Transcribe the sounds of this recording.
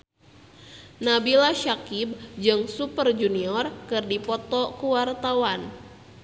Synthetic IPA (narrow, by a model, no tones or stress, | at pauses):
nabilaʃakib̚d͡ʒɨŋsupərd͡ʒuniɔrkɨrdipɔt̪ɔkuwart̪awan